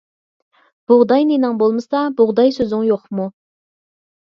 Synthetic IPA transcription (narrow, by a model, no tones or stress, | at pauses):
b̥ʊʁd̪ɑjnenɨŋbolˠmɨsɑbʊʁd̪ɑjsøzɪŋjoqmu